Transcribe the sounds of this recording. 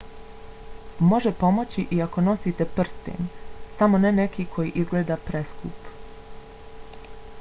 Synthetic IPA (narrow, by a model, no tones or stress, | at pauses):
mo̞ʒepo̞mo̞t͡ɕiʔiako̞no̞siːt̪e̞pr̩st̪ḛnsamo̞nenekikʰo̞jiʔizɡleːd̪apɾe̞skṵːp